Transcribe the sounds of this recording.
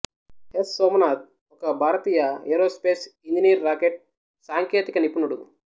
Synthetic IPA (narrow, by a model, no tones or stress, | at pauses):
essoːmɐnaːt̪̚ | ɔkɐbʱaːɾɐt̪iːjɐeɾoːspeːsiɲd͡ʒinijɐɾːaːkeʈ̚ | saːŋkeːt̪ikɐnipunuɽu